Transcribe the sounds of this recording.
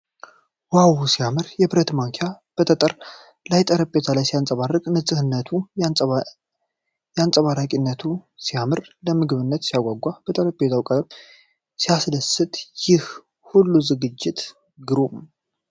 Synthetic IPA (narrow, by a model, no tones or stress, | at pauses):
wawusijamɨɾjɛbɾət̪maŋkʰeja | b̥ət̪ʰət̪ʼəɾ | lajt̪ʼəɾəbʼet̪ʰalajsijansʼəβarːɨkʼnɨsʼɨhɨnːət̪ʰu | jɛansʼəβaɾakʼinːət̪ʰusijamɨɾləmɨɡɨβɨnːət̪sijaɡʷaɡʷab̥ət̪ʼəɾəbʼet̪ʰawkʼəb | sijasdəsɨt̪ʼjɪh | hulːuzɨɡɨd͡ʒːɪt̪ | ɡɨɾum